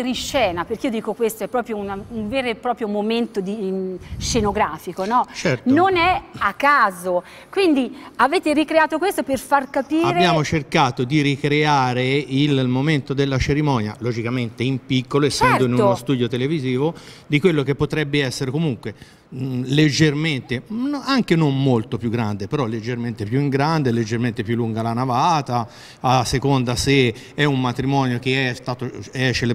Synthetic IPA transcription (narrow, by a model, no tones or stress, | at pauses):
ɾiʃːɛːnaperkeijod̪iːkokwest̪oɛpːɾɔːpɾjounauɱveːɾepɾɔːpɾjomoment̪od̪iʃenoɡɾaːfikonɔt͡ʃɛɾt̪nonɛakːaːzo | kwind̪iaveːt̪eɾikɾeaːt̪okwest̪operfarkapiːaɾbjaːmot͡ʃerkaːt̪od̪iɾikɾeaːɾeilmoment̪od̪elːat͡ʃeɾimɔːnja̰lod͡ʒikament̪eimpikːoloesːt͡ʃɛɛnd̪oinunost̪uːd̪jot̪eleviziːvo | d̪ikwelːok̟epːot̪ɾɛbːeɛsːeɾekomuŋkwe | led͡ʒːerment̪enaŋkenomːolt̪opjuɡːɾand̪epeɾɔlːed͡ʒːerment̪epjuiŋɡɾand̪eled͡ʒːerment̪epjulːuŋɡalanavaːt̪a | sekond̪ase | ɛumːat̪ɾimɔːnjokeɛst̪aːt̪oɛt͡ʃːel